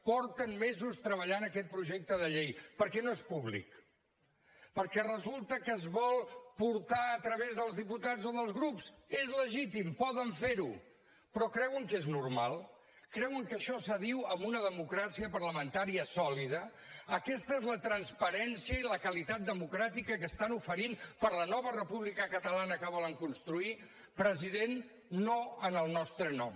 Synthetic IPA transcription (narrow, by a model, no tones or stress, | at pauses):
pɔɾt̪ənmɛzust̪ɾəβəʎanəkɛt̪̚pɾuʒɛk̚t̪əð̞əʎejpəɾkɛnoespuβlḭk | pəɾkɛrəzulˠt̪əkəːzβɔlˠpuɾt̪aət̪ɾəβezðəlˠzðiput̪azoðəlˠzɣɾupsezləʒit̪impɔðəɱfeɾu | pɾɔkɾɛwəŋkeznuɾmalˠ | kɾɛwəŋkəʃɔsəðiwəmbunəðəmukɾasiəpərləmənt̪aɾiəsɔliðəəkɛst̪əezlət̪ɾənspəɾɛnsiəiləkəlit̪at̪̚d̪əmukɾat̪ikəkəst̪anufəɾinpəɾlənɔβərəpuβlikəkət̪əlanəkəβ̞ɔləŋkunst̪ɾui | pɾəziðenː | oənəlˠnɔst̪ɾənɔm